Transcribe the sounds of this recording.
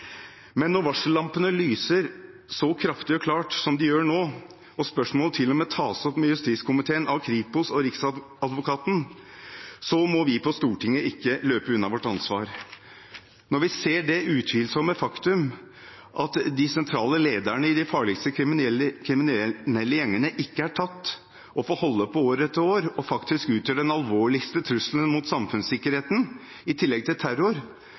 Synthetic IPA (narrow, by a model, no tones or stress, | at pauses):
mɛnːɔɾʋɑʂl̩ːɑmpənəlyːsəɾ | sɔkʰɾɑft̪ɪɔkʰlɑːʈsɔmd̪ɪjøːɳoː | ɔspœʂmoːlt̪ʰɪlːɔmɛːt̪ʰɑːsɔpmɛjʉst̪iːt̪skʰʊmɪt̪ʰeːənʔɑʋkʰɾiːpʊsɔɾɪks | ɑd̪ʋʊkʰɑːt̪n̩ | sɔmɔʋɪpʰɔst̪uːʈʰɪŋːəɪkːəløːpəʉnːɑʋɔʈːɑnsʋɑ̰ːɾ | nɔɾʋɪseːɖɛʉːt̪ʰʋiːlsɔmːəfɑkt̪ʉm | ʔɑt̪d̪ɪsɛnt̪ʰɾɑːləleːd̪əɳəɪd̪ɪfɑːɭɪkst̪əɪkʰɾɪmɪnɛlːəjɛŋːənəʔɪkːəæʈʰɑt̪ː | ʔɔfoːhɔlːəpʰɔoːɾət̪ːəoːɾɔfɑkt̪ɪskʉːt̪ʰjøːɖɛnɑlʋoːɭɪkst̪ət̪ʰɾʉslənmʊt̪sɑmfʉnssɪkːəɾheːt̪n | ɪt̪ʰɪlːɛɡ̚t̪ʰɪlt̪ʰæɾʊɾ